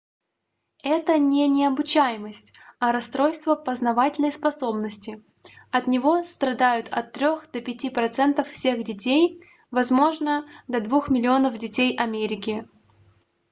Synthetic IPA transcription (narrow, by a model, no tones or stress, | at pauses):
ɛt̪ənʲɪnʲɪɐbʊt͡ɕæjɪməsʲtʲɐɾɐst̪ɾo̞jst̪vəpəznɐvatʲɪlʲnəjspɐso̞bnəsʲtʲɪ | ɐt̪nʲɪvo̞st̪ɾɐd̪ajʊt̪ʰɐ̰t̪ːɾʲo̞xd̪əpʲɪtʲipɾɐt̪sɛnt̪əffsʲexdʲɪtʲej | vɐzmo̞ʐnəd̪ɐd̪vuxmʲɪlʲɪo̞nəvdʲɪtʲejɐmʲeɾʲɪkʲɪ